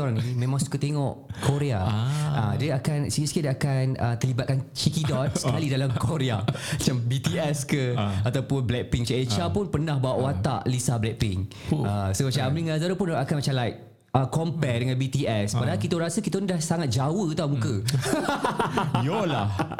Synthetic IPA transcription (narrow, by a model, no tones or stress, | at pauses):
oɾaŋnimẽmãŋsu̥kət̪eŋɔʔkʰoɾeaadiəakansikisə̥kidiakanət̪əlibat̪̚kant͡ʃikidɔt̪̚səkalidalamkoɾeamat͡ʃambit̪iɛskəat̪awpʊnblɛk̚piŋt͡ʃaet͡ʃapʊnpənãhbawaʔwat̪a̰ʔlisablɛk̚pɪ̰ŋ | ʔəsomat͡ʃamamliŋazaɾəpʊndɔakanmat͡ʃamlajʔ̚ | əkɔmpɛdəŋãnbit̪iɛspadaɦalkit̪əɾasəkit̪anidahsaŋat̪̚d͡ʒawət̪amũkə | jolah